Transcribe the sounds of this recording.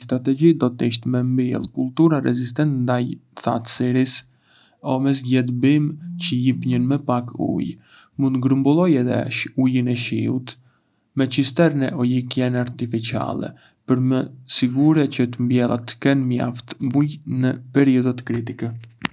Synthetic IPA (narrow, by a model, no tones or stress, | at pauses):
st̪ɾat̪ɛɟid̪ɔt̪iʃ̬t̪mɛmbilˠkulˠt̪uɾaɾɛzist̪ɛnt̪nd̪ajθa̰t̪siɾis | ɔmɛs̬ɟɛt̪bimcəjipɲənməpakṵj | mund̪ɡɾəmbulˠɔjɛðɛ̰ujənɛʃiut̪ | mɛt͡ʃist̪ɛɾənɛʔɔjikjɛnaɾt̪ifit͡ʃia̰lˠɛ̰ | pəɾməsiɡuɾɛcət̪əmbjɛlˠa̰t̪ːkɛnmja̰ft̪ujnəpɛɾiɔd̪at̪kɾit̪ikɛ